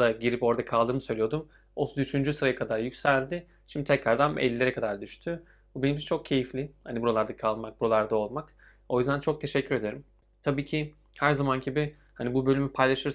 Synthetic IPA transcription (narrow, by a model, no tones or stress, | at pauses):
aɟiɾipo̞ɾad̪akʰalˠd̪ɯːmɯsø̞jlʲijo̞d̪um | ot̪ʰuzyʃynd͡ʒysɯɾajakʰad̪aɾjycsælʲd̪ɪ | ʃimd̪it̪ʰɛcɾaɾd̪amḛlʲːilʲe̞ɾɛkʰad̪aɾd̪yʃt̪ʰy | bubenimt͡ʃʰɛt͡ʃʰo̞k̚cʰe̞jiflʲɪhanibuɾolˠaɾd̪akʰalˠmak̚buɾolˠaɾd̪ao̞lˠmak | o̞jyzd̪ænt͡ʃʰo̞k̚t̪ʰe̞ʃɛcʰːyɾe̞d̪eɾym | t̪ʰabiːcʰɪ | hæɾzamanɟibɪ | hanibubø̞lʲymypʰajlˠaʃɯɾ